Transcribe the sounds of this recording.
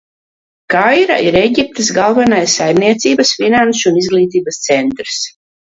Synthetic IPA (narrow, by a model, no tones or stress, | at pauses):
kajɾa̰ʔiɾeɟʲip̚t̪ɨs̬ɡalˠvanajsːajmniɛt̪siːbasfinanʃuunizɡlˠiːt̪̬iːbast̪sɛnt̪ɾs